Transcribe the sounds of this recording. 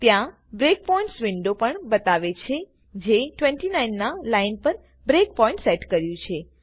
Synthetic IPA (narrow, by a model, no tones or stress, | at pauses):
t̪jã | bɾek̚pɔĩɳʈsʋɪɳɖopəɳbət̪aʋet͡ʃʰe | d͡ʒeʈʋẽɳʈinajnːalainpəɾ | bɾek̚pɔĩɳʈsɛʈkəɾjũt͡ʃʰe